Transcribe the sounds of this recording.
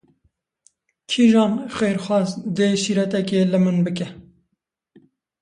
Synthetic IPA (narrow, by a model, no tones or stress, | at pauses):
kʰiʒɑːnxeːɾxwɑːzd̪eːʃiːɾɛt̪ɛkeːlɨmɨnbɨk̬ɛ